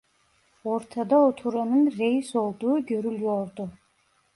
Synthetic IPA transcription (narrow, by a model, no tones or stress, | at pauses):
oɾt̪ʰad̪aot̪ʰuɾanɯnɾejisolˠd̪uːɡʲøɾylʲjoɾd̪u